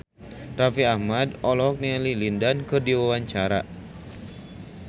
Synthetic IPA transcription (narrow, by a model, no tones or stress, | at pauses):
rafiahmadɔlɔɔk̚nalilindankɨrdiwawaɲt͡ʃaɾa̰